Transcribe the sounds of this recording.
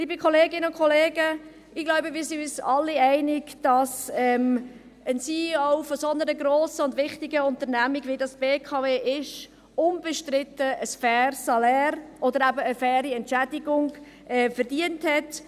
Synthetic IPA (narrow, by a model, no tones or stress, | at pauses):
liːbəkʰɔleːɡɪnəʊnkʰɔleːɡə | ɪɡ̥lɔʊbəmiːsiysɑlːɪɛɪnɪɡd̥ɑsɛm | ənsiːɔʊfosɔnəɾəɡɾɔːsəʊndʋɪχtɪɡəʊnt̪əɾnæmiɡʋidɑsb̥eːkʰɑveːʔɪʃ | ʊnbəʃtɾɪtəəsfɛːrsɑlɛːɾʔɔd̪əɾæbəːfɛːɾiɛntt͡ʃæd̥ɪɡʊŋ | ʔɛfəɾdiənthɛt